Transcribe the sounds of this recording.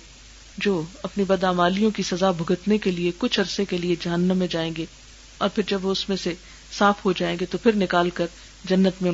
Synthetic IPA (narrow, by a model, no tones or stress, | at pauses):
d͡ʒoːɐpnibɐd̪aːmaːlijõkisɐzabʱʊɡət̪nekeliekʊt͡ʃʰɐɾsekelied͡ʒɐɦənːə̃mːẽd͡ʒaːẽːɡeː | ɔːɾpʰɪɾd͡ʒɐbʋoʊsmẽse | saːfɦod͡ʒaːẽːŋɡet̪opʰɪɾnɪkaːlkɐɾ | d͡ʒɐnːət̪mẽ